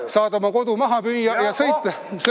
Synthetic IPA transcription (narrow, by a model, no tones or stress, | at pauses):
sɑːd̪ɑmɑko̞d̪umɑɦɑpyːjːɑjɑsɤjt̪ːˑe | s